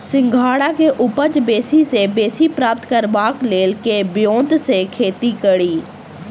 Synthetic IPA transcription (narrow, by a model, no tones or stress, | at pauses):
sɪ̃ŋɡʱaːɽakeʔʊpəd͡ʒbeːsisebeːsipɾaːp̚t̪kəɾbaːkleːlkebjõːd̪ʱsekʰeːt̪ikəɽiː